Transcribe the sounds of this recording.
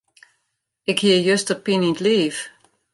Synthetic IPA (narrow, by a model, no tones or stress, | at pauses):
ɪkhiəjøstəpinintliːf